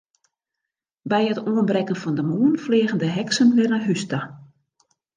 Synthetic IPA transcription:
bɛjətuənbrɛkənfɔndəmuənfleəɣəndəɦɛksənʋɪrəɦysta

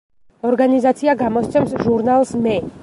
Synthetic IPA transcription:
ɔɾɡanizat̪sʰiaɡamɔst̪sʰɛmsʒuɾnalˠsmɛ

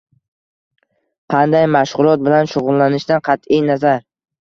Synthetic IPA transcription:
qʰɑnd̪ajmaʃʁʊlˠɒt̪̚bɪlanʃʊʁʊlˠːanɪʃd̪anqʰɑt̪ɪjnazaɾ

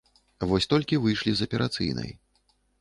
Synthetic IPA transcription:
vɔsʲt̪ɔlʲkʲivɨjʂlʲizɐpʲɛɾʔat̪sɨ̰jnɐ̰j

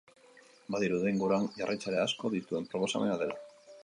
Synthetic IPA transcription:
baðiɾuðeŋɡuɾanʝarʔajt͡saɾeasko̞ðit̪ue̞mpɾo̞po̞sa̰me̞naðe̞la

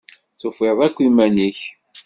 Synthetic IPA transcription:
t͡sʊfeðˤækʷːimæniç

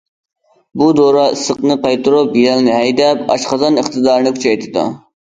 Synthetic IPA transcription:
bud̪oːɾɑɨsəqnɨqɑjt̪ʊɾobijɛlnɪɦɛjd̪ɛpɑ̰ʃqɑzɑnəχt̪ɨd̪ɑːɾnɪkʰʲʊ̥t͡ʃʰɑjt̪ʰɨd̪ɑ̰

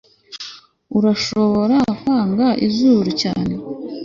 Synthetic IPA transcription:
uɾaʃo̞βo̞ɾafaːŋɡaʔḭzuːɾucaːne̞

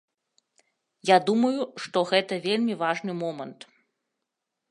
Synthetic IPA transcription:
jad̪umɐjuʂt̪ɔɣɛt̪ɐvʲelʲmʲivaʐnɨmɔmɐnt̪

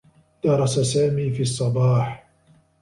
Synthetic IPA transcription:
d̪̥ɑɾˤɑsasaːmiːfiːɑsˤːɑbɑːħ

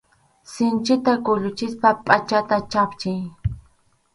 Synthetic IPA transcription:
sɪnt͡ʃɪt̪akʊʎʊt͡ʃɪspapʼat͡ʃat̪at͡ʃapt͡ʃɪj

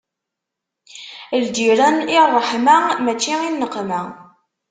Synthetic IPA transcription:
ld̪iɾænɪrˤːəħmæmæt͡ʃːiinːəqːmæ

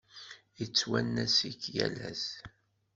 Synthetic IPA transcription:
jət͡sːwænːæsikːjæ̰læz

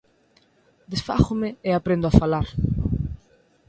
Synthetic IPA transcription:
d̪esfa̰xʊmeeapɾẽnd̪oafalaɾ

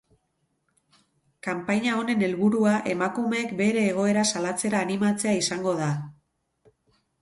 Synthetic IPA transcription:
kampaɲao̞ne̞ne̞lβuɾuaʔe̞makume̞kbe̞ɾe̞ːɣ̞o̞e̞ɾasalat͡se̞ɾaːnimat͡se̞aisaŋɡo̞ð̞a

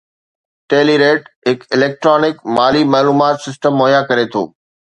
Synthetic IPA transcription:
ʈeːliɾeːʈɦɪkɪleːk̚ʈɾɔːnɪkmaːlimaːluːmaːt̪sɪsʈəmːɔːɦjakɐɾet̪ʰo̰ː

